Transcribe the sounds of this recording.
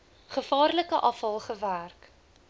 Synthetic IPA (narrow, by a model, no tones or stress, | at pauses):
χəfɑːrləkəʔɐfɐlˠχəværk